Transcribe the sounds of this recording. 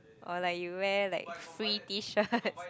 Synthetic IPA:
ʔɔlaɪk̚juwɛlaɪk̚fɹitiʃəts

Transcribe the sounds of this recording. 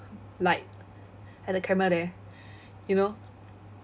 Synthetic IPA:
laɪt̚ | ɛt̚əkʰɛmədɛ | juno

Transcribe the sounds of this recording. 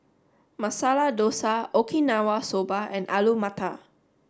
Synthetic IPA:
masalahdosaokʰinawasobaɛ̃nʔalumat̪a

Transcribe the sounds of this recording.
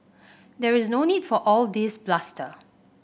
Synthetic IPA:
dɛɹɪznoːniːdfɔʔɔldisblastʰə̰

